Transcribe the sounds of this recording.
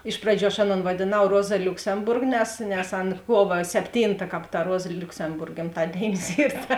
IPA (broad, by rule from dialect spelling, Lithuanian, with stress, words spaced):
ˈɪʃ prɐˌd͡ʒʲuː ɐʃ ˈɑːˌnoːn ʋɐdʲeːˈnɐʊ ˈroːzɐ lʲʊksʲɛmˈbʊrk nʲɛs nʲɛs ˈɐn ˈkuɔʋɐ sʲɛpʲˈtʲiːntɐ ˈkɑːp tɐ ˈruɔzɐ lʲʊksʲɛmˈbʊrk ɡʲɪmˈtɑːdʲeːɪnʲɪs ˈiːr tɐ